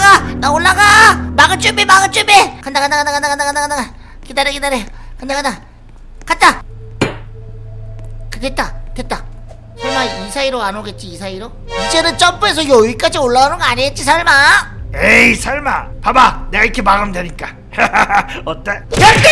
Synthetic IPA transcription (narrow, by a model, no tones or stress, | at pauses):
ɡanaoɭːaɡamaɡɯt͡ɕ͈ubemaɡɯnt͡ɕ͈ubekandakandakandakandakandakandakandaka | kidaɾekidaɾe | kandakanda | kat̚t͈a | kɯɡet̚t͈aket̚t͈a | sʰaɭmaisʰaiɾoanoɡe̞t̚t͡ɕ͈iːsʰaiɾo | id͡ʑe̞nɯnt͡ɕ͈ʌmpues̬ʰʌjʌɥik͈ad͡ʑioɭːaɣanɯnŋɡʌaɲiɡet̚t͡ɕ͈is̬ʰaɭmaeisʰaɭma̰pabane̞ɡaikʰemaɡɯmdweɲik͈a | ʌt͈eja